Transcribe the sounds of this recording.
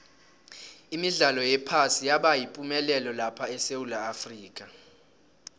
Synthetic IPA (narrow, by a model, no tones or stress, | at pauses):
imiɮalɔjɛpʰasijaɓajipʼumɛlɛlɔlapʰaɛsewulaːfriːkʼa